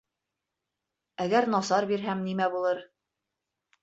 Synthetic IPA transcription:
æɡæɾnɑsɑɾbiɾɦæmnimæbulˠɤɾ

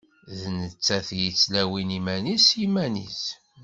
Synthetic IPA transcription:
ðnət͡sːæθjit͡sːlæwinimænisimænḭs

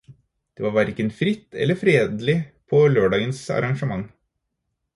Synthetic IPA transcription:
d̪̥eːʋɑːɾʋæɾkənfɾɪt̪ːɛ̰lːəfɾeːd̪lɪpʰɔløːɖɑːɡənsɑ̰ɾɑŋʂəmɑŋ

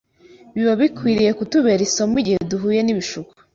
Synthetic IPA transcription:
βiβaβikwiːɾije̞kutuβeɾisomiɟiheduɦuːje̞niβiʃuku̥

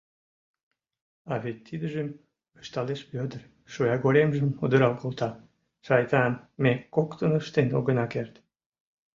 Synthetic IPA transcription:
ɑβet̪ːid̪əʒəm | əʃt̪ɑleʃpød̪ər | ʃujɑɡoɾemʒəmud̪əɾɑlkolˠt̪ɑ | ʃɑjt̪ɑnmekokt̪ənəʃt̪eno̰ɣənɑkert̪

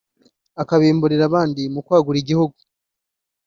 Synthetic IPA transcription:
akaβiːmbuɾiɾaβaːndimukwaːɡuɾiɟihuɡu

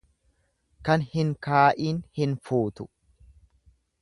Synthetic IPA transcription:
kɐnhɪŋkaːʔiːnhɪnfuːt̪ʊ̥

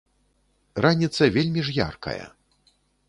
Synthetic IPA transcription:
ranʲit̪sɐvʲelʲmʲiʐja̰rkɐ̰jɐ̰

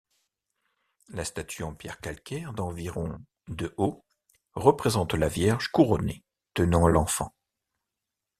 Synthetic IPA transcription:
last̪at̪ʰyɑ̃pjɛʁkalkʲɛʁd̪ɑ̃viʁɔ̃ | d̪əʔo | ʁəpχezɑ̃t̪lavjɛʁʒkuʁɔne | t̪ənɑ̃lɑ̃fɑ̰̃

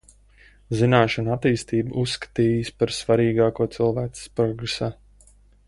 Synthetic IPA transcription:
zinaːʃɔnuat̪iːst̪iːbuʔusːkḁt̪iːjɨspaɾsvaɾiːɡaːkuɔt̪sɨlˠvæːsspɾɔɡɾesaː

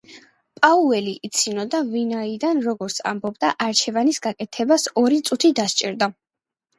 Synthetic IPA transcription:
pʼauɛliʔːt̪sʰinɔd̪avinaid̪anɾɔɡɔɾt̪sʰa̰mbɔbd̪a̰ʔaɾt͡ʃʰɛvanisɡakʼɛt̪ʰɛbasɔɾit̪sʼut̪ʰid̪ast͡ʃʼḭɾd̪a

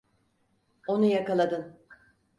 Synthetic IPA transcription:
o̞nujakalˠad̪ɯn

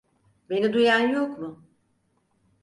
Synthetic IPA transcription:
be̞nid̪ujanjokmʊ

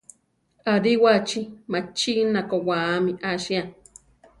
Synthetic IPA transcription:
aɾiwat͡ʃimat͡ʃinakowaːmiʔaʃia

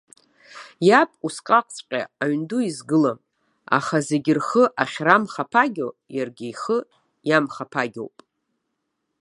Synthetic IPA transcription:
japʼusqʼaqʼt͡sʷʼqʲʼa̰aɥnduizɡɨlam | a̰χaze̞ɡʲɪrχəʔaχʲramχapʰaɡʲo̰jarɡʲejχə | jamχapʰaɡʲo̰wpʼ

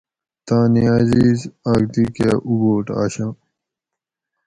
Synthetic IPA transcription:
t̪ãːniaːziːzaːɡt̪ikeːʔuɡoːʈa̰ːɕãː

